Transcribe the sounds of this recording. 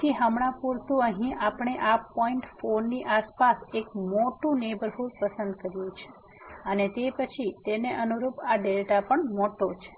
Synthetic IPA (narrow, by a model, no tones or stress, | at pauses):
iɦəmɽãpuɾt̪ũəɦĩʔapɳ̃eʔapɔiɳʈfonːiʔaspasekmoʈũnebəɾɦulpəsənd̪kəɾjũt͡ʃʰe̥ | ənet̪epət͡ʃʰit̪eneʔənuɾupaɖelʈapəɳmoʈot͡ʃʰe̥